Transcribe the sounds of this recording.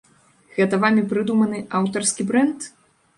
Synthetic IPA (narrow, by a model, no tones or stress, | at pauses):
ɣɛt̪ɐvamʲipɾɨd̪umɐnɨʔawt̪ɐrskʲibɾɛnt̪